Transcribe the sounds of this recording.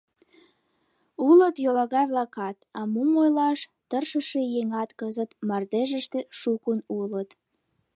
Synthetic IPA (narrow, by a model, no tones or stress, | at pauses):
ulət̪jolɑɣɑjβlɑkɑt̪ɑmumojlɑʃt̪ərʃəʃejeŋɑt̪kəzət̪mɑrd̪eʒəʃt̪ĕʃukunulət̪